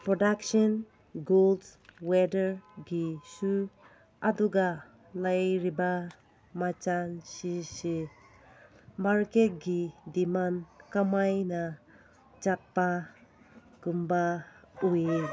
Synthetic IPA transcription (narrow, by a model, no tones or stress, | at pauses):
pɾɔdaksɔn | ɡoldwedəɾɡisu | aduɡa | lajɾiba | mat͡ʃansisi | maɾket̚ɡidimankamajna | t͡ʃat̚pa | ɡ̥umbaue